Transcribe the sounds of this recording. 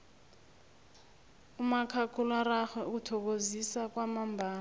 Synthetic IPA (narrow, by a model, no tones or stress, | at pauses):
umakʰakʰulaɾaxwɛk̬utʰɔk̬ozisak̬wamambʱaː